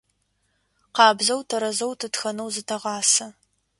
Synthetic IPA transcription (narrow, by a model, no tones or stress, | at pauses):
qɑːbzɐwtʰɐɾɐzɐwtʰɨtxɐnɐwzɨtʰɐʁɑːsɐ